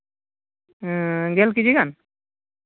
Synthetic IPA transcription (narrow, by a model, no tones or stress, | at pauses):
ɡɛlkid͡ʒiɡan